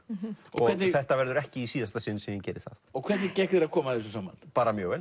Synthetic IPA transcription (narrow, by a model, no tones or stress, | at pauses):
ɔ̰ɣɔɣʰɛt̪nɪθɛht̪avɛɾðʏɾɛhcɪisiːðast̪asɪnsɛɪncɛːɾɪθa̰θɔɣkʰv̥ɛt̪nɪcɛhkɛɾakʰɔːmaɛs̬ɔsaːma̰npaːɾamjœːɣvɛl